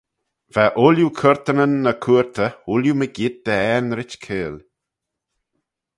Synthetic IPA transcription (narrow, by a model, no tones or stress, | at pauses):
v̥aʔʊljukʰəɹt̪ənənːəkʰuːɹt̪ʰəuljuməɡɪd̪̚d̪əɛnɾɪt͡ʃkʰeːl